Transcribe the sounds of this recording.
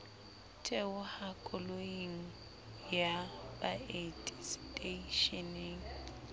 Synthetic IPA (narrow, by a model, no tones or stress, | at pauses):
tʼɛʊhakʼʊloiŋ̩ | jabʼaetʼisitʼeiʃɛneŋ̩